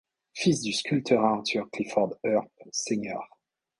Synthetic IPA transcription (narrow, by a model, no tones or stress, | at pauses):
fisd̪yskʲylt̪ʰœʁãt̪ʰœʁklifɔʁd̪œʁseɲœːʁ